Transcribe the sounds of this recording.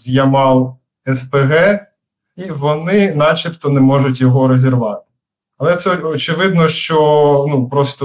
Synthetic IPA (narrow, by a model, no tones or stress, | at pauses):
zʲjɐmɑlˠ | ɛspeɣɛ | iʋɔnɪnɑt͡ʃʲipt̪ɔnɛmɔʒʊt̬ʲjɔɦɔɾezʲerʋɑt̪ɪ̥ | ɐlˠɛt̪sɛɔt͡ʃɪʋɪd̪nɔʃt͡ʃɔnupɾɔst̪ɔ